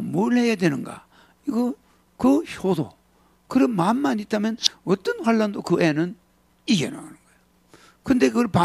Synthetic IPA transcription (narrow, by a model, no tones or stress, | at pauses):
moɭɦejadwenɯnɡa̰ | iɡʌ | kɯçodo̰ | kɯɾɯmmamːanit͈ʰamjʌnʌt͈ʌnɸwaɭːandokɯenɯn | iɡḛna̰anɯnɡ̥ʌejo | kɯnde̞kɯɭpa